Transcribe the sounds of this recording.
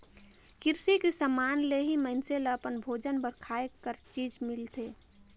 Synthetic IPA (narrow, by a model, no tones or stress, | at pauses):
kɪɾsikesəmaːnleɦiməɦɪnseləəpənbʱoːd͡ʒənbəɾkʰaːekːəɾt͡ʃiːd͡ʒmɪlt̪ʰeː